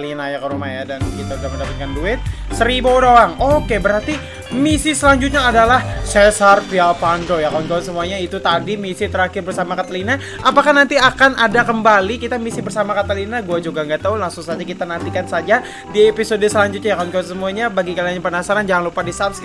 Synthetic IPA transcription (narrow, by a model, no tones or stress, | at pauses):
linajakəɾumajadankit̪auɡabədapat̪̚kanduɪt̪̚ | səɾibodowaŋokebəɾart̪i | misisəlaɲd͡ʒut̪̚ɲaːdalahsesarfialpandojakaɔnkasəmuaɲait̪ut̪adimisit̪əɾakɪrbərsamakat̪alina | ʔapakahnant̪iakanʔadakəmbalikit̪amisibərsamakat̪alinaɡuad͡ʒuɡaŋɡat̪aulaŋsuŋsad͡ʒakit̪anant̪ikansad͡ʒa | diepisodəsəlaɲd͡ʒut̪̚ɲajakalnkasəmuaɲabaɡikaliaɲapənasaɾand͡ʒaŋanlupadisapsk